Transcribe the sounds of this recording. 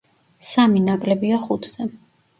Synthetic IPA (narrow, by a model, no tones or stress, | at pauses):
saminakʼlɛbiaχut̪ʰd̪ɛ